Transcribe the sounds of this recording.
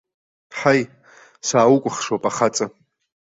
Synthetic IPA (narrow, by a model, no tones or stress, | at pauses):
ħaj | saːwukʷʼʊχʂwapʼaχat͡sʼa